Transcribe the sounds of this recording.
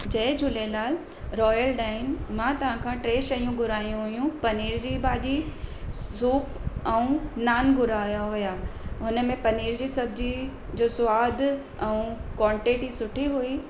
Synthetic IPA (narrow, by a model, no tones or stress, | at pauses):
d͡ʑɐːɪd͡ʑʱʊlelaːl | ɾɔːjəlɖaːɪnmãːt̪ɐʋ̤ãkʰãːʈɾeːʃɐijũɡʱʊɾaːijũɦʊijũpɐniːɾd͡ʑibaːʄi | uːpʰɛ̃ũnaːnɡʱʊɾaːjaɦʊjaːɦʊnə̆mẽpɐniːɾd͡ʑisɐbd͡ʑi | d͡ʑoːsʊʋaːd̪ʱ | ɛ̃ũkwãːɳʈeːʈisʊʈʰiɦui